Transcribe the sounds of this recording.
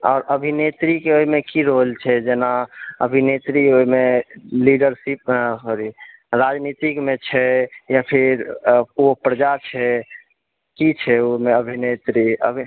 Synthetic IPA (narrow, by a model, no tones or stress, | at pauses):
ɔːɾəbʱinet̪ɾikeoimekiɾolt͡ʃʰɛd͡ʒenaə̰bʱinet̪ɾioimeliɖəɾsip̚ɾi | ɾad͡ʒnit̪ikmet͡ʃʰɛjapʰiɾopɾəd͡ʒat͡ʃʰɛ | kit͡ʃʰɛomeəbʱinet̪ɾiə̰bʱi